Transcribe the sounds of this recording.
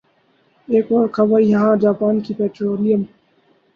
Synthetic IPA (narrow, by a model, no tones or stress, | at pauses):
eːkoːɾkʰɐʋaːijɐɦãːd͡ʒaːpaːnkipeːʈɾoːlijəm